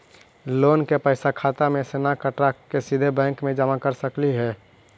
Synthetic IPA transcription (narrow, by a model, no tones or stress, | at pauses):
loːnkepəɪsakʰaːt̪amẽseːnakəʈɾakesid̪ʱebɛ̃ːŋkmẽd͡ʒaːmakəɾsəkliɦɛː